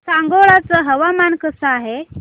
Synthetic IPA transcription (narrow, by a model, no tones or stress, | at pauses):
saŋɡoɭat͡səɦəʋamankəsəaɦe